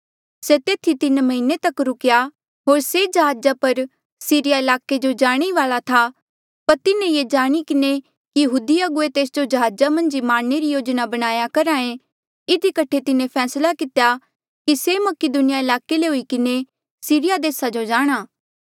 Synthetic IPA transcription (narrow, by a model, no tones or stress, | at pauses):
set̪eːt̪ʰit̪ɪnmɐɦinet̪ɐkɾʊkja | ɦoːɾsed͡ʒɐɦaːd͡ʒapɐɾ | siːɾɪjaɪlaːked͡ʒod͡ʒaːɽ̃iʋaːlat̪ʰa | pɐɾt̪ɪnẽjed͡ʒaːɽ̃ikɪne | kijɐɦuːd̪iɐɡʊet̪eːsd͡ʒod͡ʒɐɦaːd͡ʒamɐ̃nd͡ʒimaːɾneɾijoːd͡ʒnabɐɽ̃aːjakɐɾãːẽ | ɪd̪ikɐʈʰet̪ɪnẽpʰɛːslakɪt̪eja | kisemɐkɪd̪ʊnɪjaɪlaːkeleɦʊikɪne | siːɾɪjad̪eːsad͡ʒod͡ʒaːɽ̃aː